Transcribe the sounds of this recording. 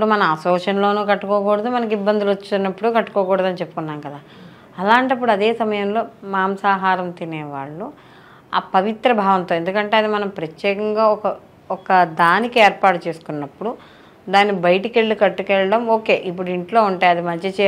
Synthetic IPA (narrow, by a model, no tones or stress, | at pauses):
pːɽumɐnɐmɐsɔːʃɐnloːnuːkɐʈːukɔːkuːɽɐd̪umɐnɐk̬ibːɐnd̪ilot͡ʃːunːɐpːuɽukɐʈːu̥kɔːkuːɽɐd̪ɐnit͡ʃe̞pːu̥kunːaːmkɐd̪aː | ɐlaːɳʈɐp̬ːuɽuɐd̪eːsɐmɐjɐmlo̞ːmaːmsaːɦaːɾɐmt̪inɛːʋaːɭːu | a̰ːpɐʋit̪ɾɐbʱaːʋɐnt̪oːend̪ukɐɳʈe̞ːɐd̪imɐnɐmpɾɐt̪jɛːkɐŋɡaːɔkɐ | ɔkɐd̪aːnikieːɾpaːʈut͡ʃe̞ːsu̥kunːɐpːuɽu | d̪aːnːibɐjɐʈikeɭːikɐʈːukɛɭːɐɽɐmo̞ːke̞ːʔip̬ːuɽuiɳʈlo̞ːuɳʈaːjɐd̪imɐɐt͡ʃe